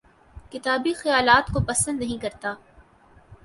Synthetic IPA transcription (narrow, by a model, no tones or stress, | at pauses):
kɪt̪aːbixɐjaːlaːt̪kopɐsə̃nd̪nɐɦĩkɐɾt̪aː